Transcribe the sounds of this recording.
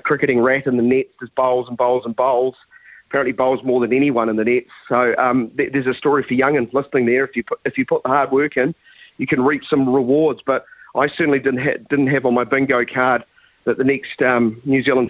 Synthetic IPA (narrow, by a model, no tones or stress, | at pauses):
kʰɹ̥ɪkɨɾɪ̃ŋɹæɾɨ̃nðɨnɛtsɨzboʊlˠzə̃n̩boʊlˠzə̃n̩boʊlˠz̥əpʰæɹɨ̃nʔliboʊlˠzmɔɹðɨ̃nɛñiwʌ̃ñə̃nðɨnɛtsoʊʔʌ̃mðəðə˞zɨstɔɹifə˞jʌ̃ŋɨ̃nlɪsnɪ̃ŋðə˞ɨfjɨpʰʊɨfjɨpʰʊt̪̚ðəhɑɹd̚wɜ˞kɪ̃n | jɨkʰɨ̃nɹipsʌ̃mɹəwɔɹdzb̥ʌɾʔaɪsɜ˞ʔn̩lidɪdⁿn̩tɦɨ̰dɪdⁿn̩t̚ɦɨṽn̩maɪbɪ̃ŋɡoʊkʰɑɹd̪̚ | ðɨt̪̚ðɨnɛkstʌ̃mnjʉzilˠə̃n